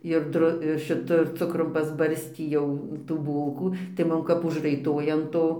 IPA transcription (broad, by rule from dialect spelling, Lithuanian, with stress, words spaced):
ɪr ˈdrʊ ɪr ʃʲɪˈtʊ ɪr ˈt͡sʊkrʊm pɐzˈbɐrʲsʲtʲiː jɛʊ tuː ˈbuːlˠkuː tɐɪ ˈmʊm kɐp ʊʒrɐɪˈtoːjɛ ɐn ˈtoː